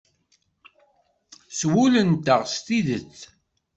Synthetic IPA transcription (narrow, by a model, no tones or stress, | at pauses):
swulənt̪əʁst̪iðət͡sː